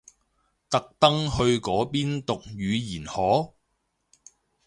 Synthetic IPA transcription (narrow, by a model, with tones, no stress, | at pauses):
t̪ɐ˨k̚t̪ɐ˥ŋhɵ˧ɥkɔː˨˥piː˥nt̪ʊ˨k̚jyː˨˧jiː˨˩nhɔː˨˥